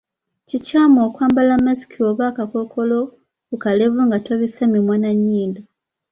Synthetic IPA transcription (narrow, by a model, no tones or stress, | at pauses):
cicaːmoːkwaːmbalamasi̥kʰioβaːkakokʰolo | kukaleβuŋɡataβisamimwaːnaɲːiːnda